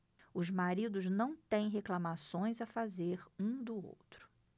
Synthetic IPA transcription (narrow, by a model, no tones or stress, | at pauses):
ʊzmaɾid̪ʊznɐ̃w̃t̪ẽj̃ɦeklamasõj̃zafazeɾũd̪ʊo̰wt̪ɾʊ̥